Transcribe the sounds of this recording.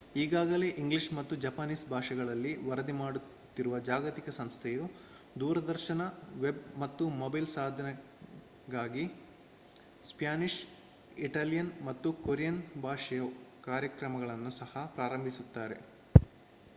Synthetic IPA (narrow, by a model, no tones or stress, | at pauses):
iːɡaːɡɐle̞ʔiŋɡliʂmɐt̪ːud͡ʒɐpaniːsbʱaːʂɐɡɐɭɐlːiʋɐɾɐd̪imaːɽu | t̪ːiɾuʋɐd͡ʒaːɡɐt̪ikɐsɐmst̪ʰɛju | d̪uːɾɐd̪ɐɾʃɐnɐʋe̞bmɐt̪ːumobɐjlsaːd̪ʱɐnɐ | ɡaːɡi | spjaːniʂ | iʈaːlijɐnmɐt̪ːukoɾijɐnbʱaːʂɐjɐkaːɾjɐkɾɐmɐɡɐɭɐnːusɐhɐpɾaːɾɐmbʱisut̪ːaːɾe̞̰